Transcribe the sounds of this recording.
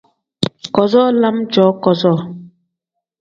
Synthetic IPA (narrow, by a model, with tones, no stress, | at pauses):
kɔ˨zɔ˦la˦md͡ʒɔ˨˦kɔ˨zɔ˦˨